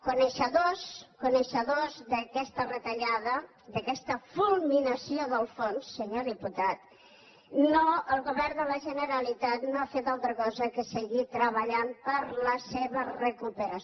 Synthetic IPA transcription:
kunəʃəðoskunəʃəðozðəkɛst̪ərət̪əʎaðə | d̪əkɛst̪əfulˠminəsioðəlˠfonsːəɲoðiput̪at̪̚ | noəlˠɣuβɛrnd̪ələʒənəɾəlit̪at̪noafet̪alˠt̪ɾəkɔzəkəsəɣit̪ɾəβəʎampəɾləseβərəkupəɾə

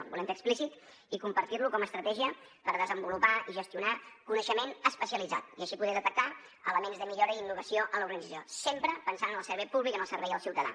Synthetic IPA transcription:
bulɛmtəksplisit̪ | ikumpəɾt̪irlukɔməst̪ɾət̪ɛʒiəpəɾðəzəmbulupaiʒəst̪iunakunəʃəmenəspəsiəlid͡za̰t̪̚iəʃipuðɛðət̪ək̚t̪a | ələmenzðəmiʎoɾəiinːuɣəsioʔənləuɾɣənidd͡zəsijosempɾəpənsanənəlˠsəɾβɛjpuβlikənəlˠsəɾβɛjðəlˠsiwt̪əða̰

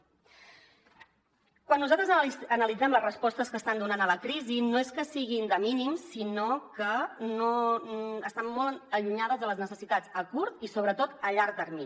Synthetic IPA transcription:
kwanːuzalt̪ɾəzənəlid͡zɛmləzrəspɔst̪əskəst̪and̪unanələkɾizinoeskəsiɣ̞ind̪əminimsːinokəno | əst̪amːoləʎuɲað̞əzðələznəsəsit̪ad͡zəkuɾt̪isoβ̞ɾət̪ot̪əʎaɾk̚d̪əɾmi

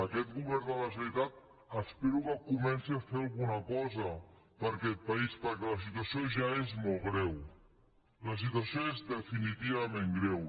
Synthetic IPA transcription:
əkɛt̪̚ɡɣuβɛɾnd̪ələsəβit̪at̪̚ | əspɛɾukəkumɛnsiafealˠɣunəkɔzə | pəɾkɛt̪̚pɐispəɾkɛləsit̪uəsioʒaezmɔlˠɣɾɛw | ləs̬it̪̬wəsioezðəfinit̪iβamẽŋɡɾɛw

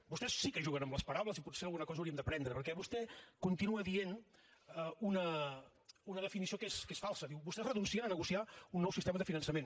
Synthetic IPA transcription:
bust̪ɛsːikəʒuɣənəmləspɐɾawləziput̪selˠɣunəkɔzɐwɾiəmd̪əpɾɛnd̪ɾəpəɾkɛβust̪ɛkunt̪inuəðienəunə | unəðəfinisiokeskesfalˠsəðiwbust̪ɛzrənunsiənənəɣusiaunːɔwsist̪eməðəfinənsəmen

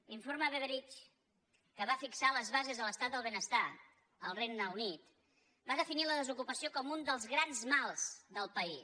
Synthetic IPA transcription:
liɱfoɾməβeβəɾit͡ʃ | kəβafiksaləzβazezðələst̪at̪̚d̪əlˠβenəst̪a | əlˠrejnəwnit̪ | baðəfiniləðəzukupəsiokɔmund̪əlˠzɣɾanzmalˠz̥d̪əlˠpəi

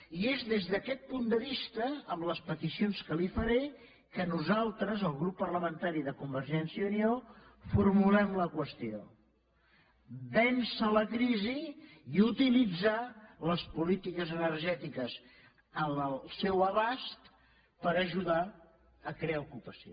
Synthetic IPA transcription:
iezðezðəkɛt̪̚pund̪əβ̞ist̪əəmləspət̪isionskəlifəɾe | kənuzalˠt̪ɾəzəlˠɣɾupːərləmənt̪aɾiðəkumbəɾʒɛnsiəuniofurmulɛmləkwəst̪io̰ | bɛnsələkɾiziiut̪ilid͡zaləspulit̪ikəzənərʒɛt̪ikəz | ənəlˠsɛwəβast̪ | pəɾəʒuða | əkɾeaukupəsio

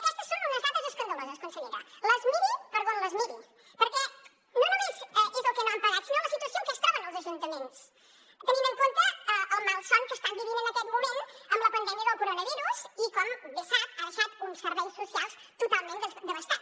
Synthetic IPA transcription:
kɛst̪ə̥sːonunəzðat̪əzəskənd̪əlozəskunsəɣeɾələzmiðipəɾðonləzmiði | pəɾkɛ | nonomezʔezəlˠkɛnoaəmpəɣat̪sinoləsit̪uəsiokəst̪aβənəlˠzəʒunt̪əmens | t̪ənĩməŋkont̪əəəlˠmalˠsɔŋkəst̪ambiβinənəkɛt̪mumenəmləpənd̪ɛmiəðəlˠkuɾonəβiɾuzikɔmbesat̪aðəʃat̪unsːəɾβɛjsːusialˠs | t̪ut̪alˠmẽnd̪əd̪əβəst̪at̪

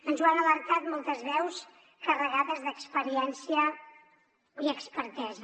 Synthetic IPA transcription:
ənzwanələɾk̪at̪mɔlˠt̪əzβɛws | kərəɣaðəzðəkspəɾiɛnsiə | iəkspəɾt̪ɛzə

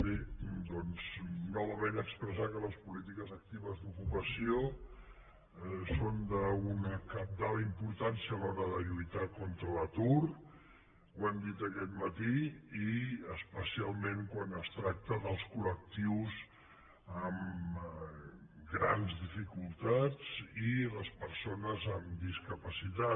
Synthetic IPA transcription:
bed̪ɔnz̥nɔβəmenəkspɾəsakələspulit̪̬ikəzək̚t̪iβəzðukupəsio | sond̪əunəkap̚d̪aləimpuɾt̪ansiəːlɔɾəðəʎujt̪akɔnt̪ɾələt̪ur | wand̪it̪əkɛt̪mət̪iiəspəsialˠmẽŋkwanəst̪ɾak̚t̪əðəlˠskulək̚t̪iwz | əm | ɡɾanzðifikulˠt̪ad͡ziləspəɾsonəzəmd̪iskəpəsit̪a

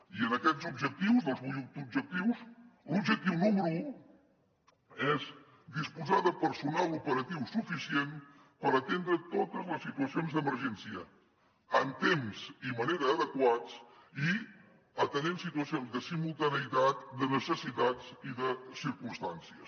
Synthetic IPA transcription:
iənəkɛzubʒək̚t̪iwzðəlˠzuud̪ub̚ʒək̚t̪iwslubʒək̚t̪iwnumu | ɛz | d̪ispuzaðəpəɾsunalupəɾət̪iwsufisien | pəɾət̪end̪ɾət̪ot̪əzləsːit̪uəsionzðəməɾʒɛnsiə | ənt̪emsiməneɾəːðəkwat͡s | i | ət̪ənensit̪uəsionzðəsimulˠt̪ənəit̪at̪d̪ənəsəsit̪aziðəsiɾkumst̪ansiəs

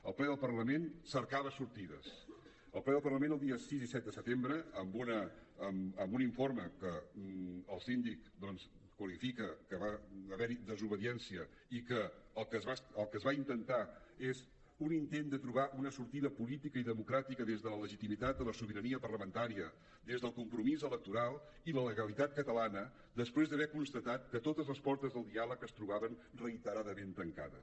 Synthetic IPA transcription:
əlˠplɛðəlˠpərləmensəɾkaβəsuɾt̪iðəs | əlˠplɛðəlˠpərləmẽnəlˠd̪iəsizisɛt̪̚d̪əsət̪embɾəːmbunəːməmbuniɱforməkə | əlˠsind̪ikd̪ɔnskwəlifikəkəβaəβɛɾiðəzuβəðiɛnsiə | ikəəlˠkəzβasəlˠkəzβaint̪ənt̪aez | unint̪end̪ət̪ɾuβ̞aʔunəsuɾt̪iðəpulit̪ikəiðəmukɾat̪ikəðezðələləʒit̪imit̪at̪̚d̪ələsuβiɾəniəpərləmənt̪aɾiə | d̪ezðəlˠkumpɾumizələk̚t̪uɾalˠ | ilələɣəlit̪at̪̚kət̪əlanə | d̪əspɾezðəβɛkunst̪ət̪at̪̚kət̪ot̪əzləspɔɾt̪əzðəlˠd̪ialəkəst̪ɾuβaβənrəit̪əɾaðəment̪əŋka̰ðə̰

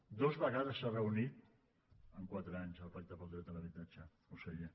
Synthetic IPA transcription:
d̪ozβəɣaðəsːarəunit̪̚ | əŋkwat̪ɾəaɲzəlˠpak̚t̪əpəlˠd̪ɾɛələβit̪at͡ʃə | useʎe

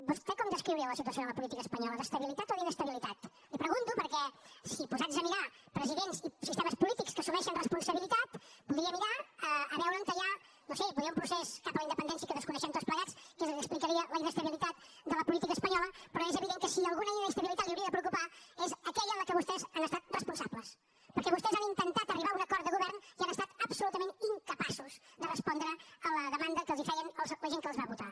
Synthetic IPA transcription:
bust̪ɛkɔmd̪əskɾiwɾiəwləsit̪uəsionələpulit̪ikəːspəɲɔləðəst̪əβilit̪at̪oðiðəst̪əβilit̪at̪ | ipɾəɣunt̪upəɾkɛsipuzazəmiɾa | pɾəziðenzisist̪eməspulit̪ikskəsumɛʃənrəspunsəβilit̪at̪puðɾiəmiɾaəəβɛwɾəŋk̪əʎa | nosebuðɾiəũmpɾusɛzkapələind̪əpənd̪ɛnsiəikəðəskunɛʃɛmt̪otspləɣat͡skezəksplikəɾiələinəst̪əβilit̪at̪̚ | d̪ələpulit̪ikəːspəɲɔləpɾɔezəβiðeŋkəsiəlˠɣunəinəəst̪əβilit̪at̪liuwɾiəðəpɾəukupaezəkɛʎələkəβust̪ɛzanəst̪at̪̚rəspunsabləs | pəɾkɛβust̪ɛzanint̪ənt̪at̪əriβaunəkɔɾt̪d̪əɣuβɛɾnianəst̪at̪əpsulut̪əmẽniŋkəpasuzd̪ərəspɔnd̪ɾəələðəmand̪əkəlˠzifɛjənəlˠzləʒeŋkəlˠzβaβut̪a

